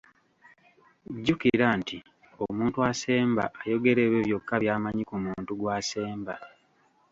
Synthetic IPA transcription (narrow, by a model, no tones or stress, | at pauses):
ɟːukiɾanti | omuːntuase̞ːmba̰ʔːjo̞ɡe̞ɾe̞ːβe̞ːβjo̞kːaβjaːmaɲikumuːntuɡwaːse̞ːmba